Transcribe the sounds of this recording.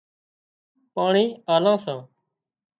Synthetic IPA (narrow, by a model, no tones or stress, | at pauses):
paːɳiːaːlãːsãː